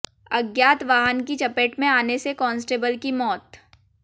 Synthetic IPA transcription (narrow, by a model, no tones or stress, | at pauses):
ɐɡjaːt̪ʋaːɦənkit͡ʃɐpeːʈmẽaːnesekɔ̃ːnsʈeːbəlkimɔːt̪